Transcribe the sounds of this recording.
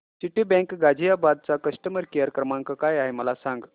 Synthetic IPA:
t͡ɕiʈibɛ̃kɡad͡ʑʱijabad̪̚t͡sakəʂʈəməɾkijəɾkɾəmaŋkəkajaɦeməlasãŋɡ

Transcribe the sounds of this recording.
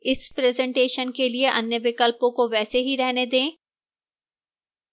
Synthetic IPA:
ɪspɾɛːzɛ̃ɳʈeːʃənkelieʔɐ̰njəʋɪkəlpõkoʋɛːseɦiɾɛɦned̪ẽː

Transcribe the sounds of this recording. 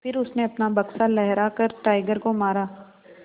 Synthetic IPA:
fɪɾʊsneɐpnabɐksalɛɦɾakɐɾʈaːɪɡəɾkomaːɾaː

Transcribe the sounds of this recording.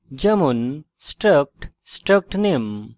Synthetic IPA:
d͡ʒɐmun | sʈɾək̚ʈ | sʈɾək̚ʈnem

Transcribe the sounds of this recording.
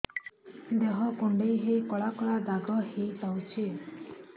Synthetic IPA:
d̪eɦɔkuɳɖejɦejkɔɭakɔɭad̪aɡɔhejpawt͡ʃʰi

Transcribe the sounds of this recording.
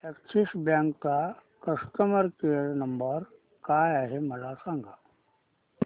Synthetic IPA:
eksʰisbjãŋkt̪a | kəst̪əməɾkeɽnəmbəɾ | kajaɦeməlasãŋɡa

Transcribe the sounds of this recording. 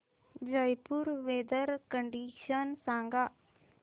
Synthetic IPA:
d͡ʒəjpuɾʋeːd̪əɾkəɳɖiːʃənsãːŋɡa

